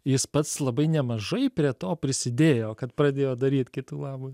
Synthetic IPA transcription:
jɪspɐt̪slˠɐbɐɪnʲɛmɐʒɐɪpʲɾʲiɛt̪oːpʲɾʲɪsʲɪd̪ʲeːjoːkɐt̪pɾɐd̪ʲeːjoːd̪ɐɾʲiːt̪kʲɪt̪uːlˠɑːbʊː

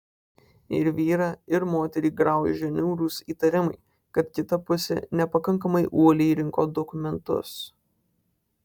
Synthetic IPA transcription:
ɪɾʋʲiːɾɑːɪɾmoːt̪ʲɛɾʲiːɡɾɑˑʊjɛʒʲɛnʲuːɾuːsiːt̪ɐɾʲɪmɐɪ | kɐt̪kʲɪt̪ɐpʊsʲɛ̰nʲɛpɐkɐŋˑkɐmɐɪʔuɔlʲɛɾʲɪŋkoːd̪ɔkʊmʲɛnt̪ʊ̰s

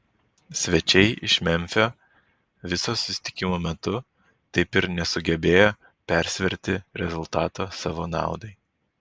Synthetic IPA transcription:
sʲʋʲɛt͡ʃʲɛɪʔɪʃmʲɛmʲfʲoː | ʋʲɪsoːsʊsʲɪ̥t̪ʲɪ̥kʲɪmoːmʲɛt̪ʊ | t̪ɐɪpɪɾnʲɛsʊɡʲɛbʲeːjoː | pʲɛɾʲsʲʋʲɛɾʲt̪ʲɪɾʲɛzʊlˠt̪ɑːt̪oːsɑːʋoːnɑ̰ˑʊd̪ɐɪ

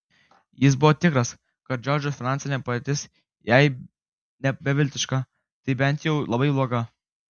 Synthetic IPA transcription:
jɪs̬bʊʋɔt̪ʲɪkɾɐs | kɐt̪̚d͡ʒʲɔɾʲd͡ʒʲosʲfʲɪnɑnʲsʲɪnʲɛpɐd̪et̪ʲɪs | jɛɪ | nʲɛbʲɛʋʲɪlʲt̪ʲɪʃkɑ | t̪ɐɪbʲɛnʲt̪jɛʊlˠɐbɐɪblˠuɔɡɐ

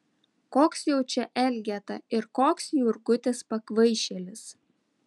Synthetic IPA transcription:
koːksjɛʊt͡ʃʲɛʔɛlʲɡʲɛt̪ɐɪɾkoːksjʊɾɡʊt̪ʲɪspɐkʋɐɪʃʲɛlʲɪs

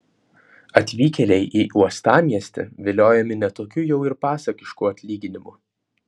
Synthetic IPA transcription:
ɐt̪ʲʋʲiːkʲɛlʲɛɪʔiːʔuɔst̪ɑːmʲiɛsʲt̪ʲɛ̰ʋʲɪlʲoːjɛmʲɪnʲɛt̪oːkʲuːjɛʊɪɾpɑːsɐkʲɪʃkuɐt̪ʲlʲiːɡʲɪnʲɪmʊ

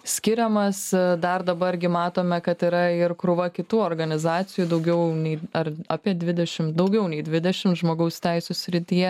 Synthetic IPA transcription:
sʲkʲɪɾʲɛmɐsd̪ɐrd̪ɐbɐɾɡʲɪmɑːt̪oːmʲɛkɐt̪iɾɐɪɾkɾʊʋɐkʲɪt̪uːoːrɡɐnʲɪzɑːt̪t͡s̪ʲɪjuːd̪ɐʊɡʲɛʊnʲɛɪɐɾɑːpʲiɛd̪ʲʋʲɪd̪ʲɛʃʲɪmd̪ɐʊɡʲɛʊnʲɛɪd̪ʲʋʲɪd̪ʲɛʃʲɪmtʒmoːɡɐʊst̪ʲɛɪsʲuːsʲɾʲɪt̪ʲijɛ

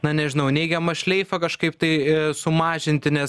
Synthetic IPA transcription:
nɐnʲɛʒʲɪnɐʊnʲɛɪɡʲɛmɐʃʲlʲɛɪfɐkɐʃkɐɪp̚t̪ɐɪsʊmɑːʒʲɪnʲt̪ʲɪnʲɛs

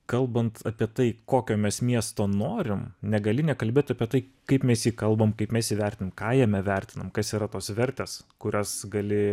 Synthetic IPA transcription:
kɐlˠbɐnt̪ɐpʲiɛt̪ɐɪkoːkʲoːmʲɛsmʲiɛst̪oːnoːɾʲɪmnʲɛɡɐlʲɪnʲɛkɐlʲbʲeːt̪ɐpʲiɛt̪ɐɪkɐɪpmʲɛsjiːkɐlˠbɐmkɐɪpmʲɛsjiːʋʲɛɾʲt̪ʲɪnɐmkɑːjɛmʲɛʋʲɛɾʲt̪ʲɪnɐmkɐsiːɾɐt̪oːsʋʲɛɾʲt̪ʲeːskʊɾʲosɡɐlʲɪ

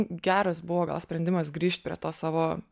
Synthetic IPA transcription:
ɡʲæːɾɐsbʊʋoːɡɐ̰lˠsʲpʲɾʲɛnʲd̪ʲɪmɐsɡɾʲiːʃʲt̪̚ʲpʲɾʲḭɛt̪oːsɑːʋoː

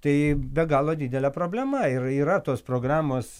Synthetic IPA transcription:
t̪ɐɪbʲɛɡɑːlˠoːd̪ʲiːd̪ʲɛlʲɛpɾoːbʲlʲɛmɐɪriːɾɐt̪oːspɾoːɡrɑːmoːs

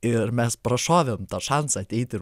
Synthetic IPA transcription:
ɪɾmʲɛspɾɐʃɑːʋʲemt̪ɑːʃɑnsɑːt̪ʲɛɪt̪ʲɪ

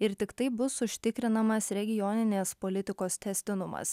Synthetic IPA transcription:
ɪɾt̪ʲɪkt̪ɐɪbʊsʊʃʲt̪ʲɪkɾʲɪnɐmɐsɾʲɛɡʲɪjɔːnʲɪnʲeːspoːlʲɪt̪ʲɪkoːst̪ʲɛsʲt̪ʲɪnʊmɐ̰s

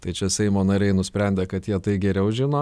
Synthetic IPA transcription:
t̪ɐɪt͡ʃʲɛsʲɛɪmoːnɐɾʲɛɪnʊsʲpʲɾʲɛˑnʲd̪ʲeːkɐt̪jiɛt̪ɐɪɡʲɛɾʲɛʊʒʲɪnoː

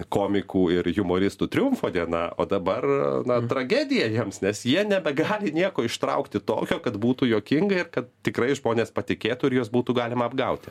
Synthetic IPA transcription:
koːmʲɪkuːɪrjʊmoːɾʲɪst̪uːt̪ʲɾʲɪʊmfoːd̪ʲiɛnɑ̰o̰ːd̪ɐbɐrnɐt̪ɾɐɡʲæːd̪ʲɪjɛjiɛmsnʲɛsjiɛnʲɛbʲɛɡɑːlʲɪnʲiɛkoːɪʃt̪ɾɐ̰ʊkt̪ʲɪt̪o̰ːkʲoːkɐt̪buːt̪uːjoːkʲɪŋɡɐɪrkɐt̪̚t̪ʲɪkrɐɪʒmoːnʲeːspɐt̪ʲɪkʲeːt̪uɪɾjuːɔsbuːt̪uːɡɑːlʲɪmɐːbɡɐʊt̪ʲɪ

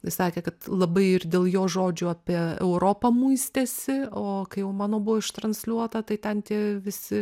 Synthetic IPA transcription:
ɪsɑːkʲeːkɐt̪lˠɐbɐɪɪrd̪ʲeːlˠjoːʒoːd͡ʒʲuːɑːpʲiɛɛ̰ʊɾoːpɐmuɪsʲt̪ʲeːsʲɪoːkɐɪjɛʊmɑːnoːbʊʋoːɪʃt̪ɾɐnʲsʲlʲuɔt̪ɐt̪ɐɪt̪ʲɛnt̪ʲiɛʋʲɪsʲɪ

